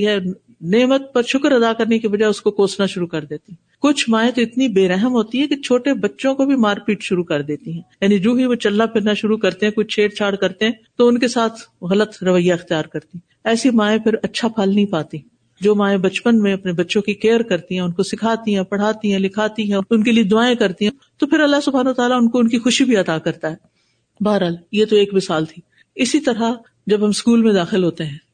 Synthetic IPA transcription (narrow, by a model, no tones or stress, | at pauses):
ɦɛ | neːmət̪̚pɐɾʃʊkəɾɐd̪akɐɾnekebɐd͡ʒaːeʊskokoːsnaʃʊɾukɐɾd̪eːt̪iɦɛ̃kʊt͡ʃʰmãːẽt̪oɪt̪nibeːɾɛɦəmɦoːt̪iɦɛkit͡ʃʰoːʈebɐtːʃõkobʱimaːɾpiːʈʃʊɾukɐɾd̪eːt̪iɦɛ̃ːjaːnid͡ʒuːɦimẽt͡ʃɐlnapʰɪɾnaʃʊɾukɐɾt̪eɦɛ̃kʊt͡ʃʰeːɽt͡ʃʰaːɽkɐɾt̪eɦɛ̃ːt̪oʊnkesaːt̪ʰɣɐlət̪ɾɐʋəjːaɪxt̪ijaːɾkɐɾt̪iɛ̃ | ɛːsimãːẽpʰɪɾɐtːʃʰapʰalnɐɦĩpaːt̪i | d͡ʒoːmãːẽbɐtt͡ʃpənmẽɐpnebɐtːʃõkikeːəɾkɐɾt̪iɦɛ̃ʊnkosɪkʰaːt̪iɦɛ̃pɐɽ̤aːt̪iɦɛ̃lɪkʰaːt̪iɦɛ̃ʊnkelied̪ʊaːẽkɐɾt̪iɦɛ̃ | t̪opʰɪɾɐlːasʊbʱaːnɐʋt̪aːlaʊnkoʊnkixʊʃibʱiɐt̪akɐɾt̪aɦɛː | baːɾɦaːljet̪oeːkmɪsaːlt̪ʰiː | ɪsit̪ɐɾɦa | d͡ʒɐbɦɐ̃mskuːlmẽd̪aːxɪlɦoːt̪eɦɛ̃ː